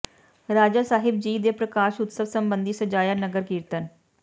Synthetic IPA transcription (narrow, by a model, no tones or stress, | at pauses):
ɾaːd͡ʒaːsaːɦɪb̚d͡ʒiːd̪eːpɾəkaːʃʊt̪səʋsəmbənd̪iːsəd͡ʒaːjaːnəɡəɾkiːɾt̪ən